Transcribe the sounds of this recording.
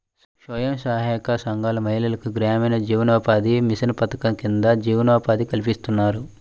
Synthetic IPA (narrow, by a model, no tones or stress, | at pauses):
ʃʋɐjɐmsaːɦɐːkasɐŋɡaːlɐmɐɦilɐlɐkuɡɾaːmɐjnɐd͡ʒiːʋɐnɔːpaːd̪imisɐnɐpɐt̪ɐkɐmkind̪ɐd͡ʒiːʋɐnɔːpaːd̪ikɐlipist̪unːaːɾu